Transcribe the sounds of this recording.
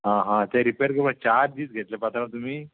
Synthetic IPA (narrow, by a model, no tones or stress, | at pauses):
ɦãɦãt̪ɛ̃ɾipejəɾkebət͡ɕaɾd̪iːt͡sɡʱet̪lepat̪ɾãt̪um̤iː